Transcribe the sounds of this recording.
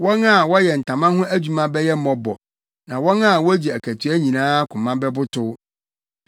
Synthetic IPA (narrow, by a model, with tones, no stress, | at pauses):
wɔ̃˦na˦˨wɔ˦jɛ˨n̩˨tʰã˨mã˦hʊ̃˦ʔæ˦d͡ʑᶣu˨mã˦bɛ˦jɛ˦m̩˦mɔ̃˨bɔ̰˨ | nã˨wɔ̃˦na˦˨wɔ˦d͡ʑi˨æ˨kʰæ˨tʰɥæ˦ɲĩ˨nãː˦kʰʊ̃˨mã˦bɛ˦bʊ˦tʰʊ˦